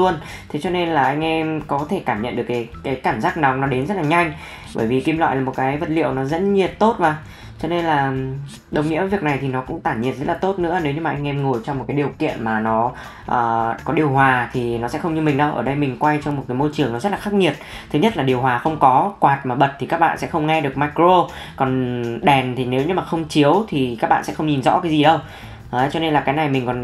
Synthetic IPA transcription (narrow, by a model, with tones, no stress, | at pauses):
u˧ən | t̪ʰe˨˦t͡ɕɔ˧ne˧nlaː˨˩ʔa˧jŋ̟ʔɛ˧mkɔ˨˦t̪ʰe˧˩kaː˧˩mɲə̰˧˨nɗɨ˨˩əkːaː˨˦jkaː˨˦jkaː˧˩mzaː˦˥k̚na˨˦wŋ͡mnɔ˨˦ɗe˨˦nzə˦˥t̚laː˨˩ɲa˧jŋ̟ | ɓə̰ː˧˩jvi˨˩ki˨˦mlwa̰ː˧˨laː˨˩mo˨˩t̚kaː˨˦jvə˨˩t̚lḭ˧˨əwnɔ˨˦zə̰˧˥nɲi˨˩ət̚t̪o˦˥t̚vaː˨˩ | t͡ɕɔ˧ne˧nlaː˨˩ | ɗə˧˩wŋ͡mɲḭ˧˥əvi˨˩ək̚na˨˩jt̪ʰi˨˩nɔ˨˦kʊ̰˧˥ŋ͡mt̪aː˧˩nɲḭ˧˨ənzə˦˥t̚laː˨˩t̪o˦˥t̚nɨ̰˧˥əne˨˦wɲɨ˧maː˨˩ʔa˧jŋ̟ʔɛ˧mŋo˨˩jt͡ɕɔ˧wŋ͡mo˨˩kaː˨˦jɗi˨˩əwkḭ˧˨ənmaː˨˩nɔ˨˦ | ʔəː˨˩kɔ˨˦ɗi˨˩əwɦwaː˨˩t̪ʰi˨˩nɔ˨˦sɛ̰˧˥xə˧wŋ͡mɲɨ˧mï̟˨˩ɗə˧wʔəː˧˩ɗə˧jmï˨˩ŋ̟kwa˧jt͡ɕɔ˧wŋ͡mmo˨˩t̚kaː˨˦jmo˧jt͡ɕɨ˨˩əŋnɔ˨˦zə˦˥t̚laː˨xa˦˥k̚ŋi˨˩ət̚t̪ʰɨ˨˦ɲə˥t̚laː˨˩ɗi˨˩əwɦwaː˨˩xə˧wŋ͡mkɔ˨˦kwaː˨˩t̚maː˨˩ɓə˨˩t̚t̪i˨˩kaː˦˥k̚ɓa̰ː˧˨nsɛ̰˧˥xə˧wŋ͡mŋɛ˧ɗɨ˨˩ək̚maː˧kɾo˧ | kɔ˨˩nɗɛ˨˩nt̪ʰi˨˩ne˨˦wɲɨ˧maː˨˩xə˧wŋ͡mt͡ɕi˨˦əwt̪ʰi˨˩ka˦˥ɓ̰ːsɛ̰˧˥xə˧wŋ͡mɲi˨˩nzɔ̰˧˥kaː˨˦zi˨˩ɗə˧w | ʔːt͡ɕɔ˧ne˧nlaː˨˩kaː˨˦jna˨˩jmï˨˩ŋ̟kɔ˨˩n